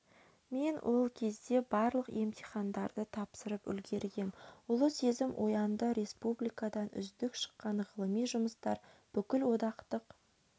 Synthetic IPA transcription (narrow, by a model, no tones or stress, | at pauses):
me̞nwʔo̞lˠkʲʰe̞zd̪e̞bɑɾlˠəqe̞mt̪ʰijχɑnd̪ɑɾd̪ət̪ʰɑpsəɾəpʏ̰lɡʲe̞ɾɡʲe̞nʊlˠəse̞zɪmwʔojɑnd̪əɾe̞spublijkɑd̪ɑnʏ̰zd̪ɪkʃə̥qːɑɴʁəlˠəmijʒʊməst̪ɑ̰ɾb̥ʏkʲɪlwo̞d̪ɑqt̪əq